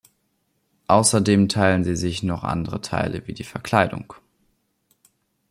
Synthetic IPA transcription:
ʔaʊsɐdeːmtʰaɪlənziːzɪçnɔχʔa̰ndəʁətʰa̰ɪlə̰viːdiːfɛɐkʰl̥aɪdʊ̰ŋ

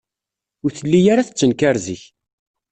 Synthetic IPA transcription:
ʊɾθəlːijaɾaθə̥t͡sːənkaɾziç

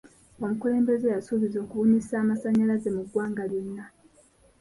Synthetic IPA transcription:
o̞mukule̞ːmbe̞ze̞jasuβizo̞ːkuβuɲisaːmasaɲːalaze̞muɡwaːŋɡaljonːa

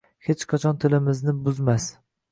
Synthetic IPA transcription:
het͡ʃqʰat͡ʃʰɒnt̪ʰɪlɪmɪznɪbʊzmas

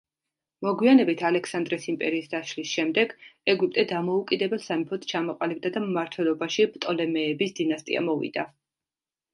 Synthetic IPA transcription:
mɔɡwianɛbit̪ʰalɛkʰsand̪ɾɛsimpʼɛ̰ɾiːsd̪aʃlisʃɛmd̪ɛɡɛɡup̚ʼt̪ʼɛd̪amɔukʼid̪ɛbɛlˠsamipʰɔt̪ʰt͡ʃʰamɔqʼalib̚d̪ad̪ammaɾt̪ʰwɛlˠɔbaʃibt̪ʼɔlɛmɛːbisd̪inast̪ʼḭa̰mɔvḭd̪̥a

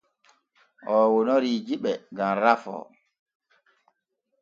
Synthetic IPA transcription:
ʔɔːwɔnɔɾid͡ʒiɓɛɡamɾafɔ̰

